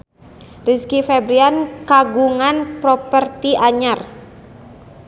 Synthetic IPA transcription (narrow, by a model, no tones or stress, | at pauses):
riskifɛbɾiankaɡuŋanpɾɔpərt̪iʔaɲar